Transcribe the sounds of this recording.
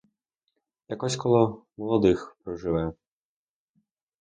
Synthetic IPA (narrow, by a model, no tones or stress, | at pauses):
jakɔsʲkɔlˠɔmɔlˠɔd̪ɨxpɾɐwʐɨvajɛ